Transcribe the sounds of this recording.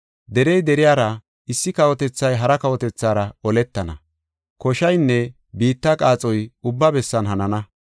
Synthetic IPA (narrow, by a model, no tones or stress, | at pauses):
d̪ɛɾɛjd̪ɛɾɪjaːɾɐ | ɪsːɪkɐwɔt̪ɛt͡sːɐjɦɐɾɐkɐwɔt̪ɛt͡sːaːɾɐɔlɛt̪ːɐnɐ̰ | kɔʃɐjnːɛ | biːt̪ːɐkʼaːt͡sʼɔjʊbːɐbɛsːɐnɦɐnɐnɐ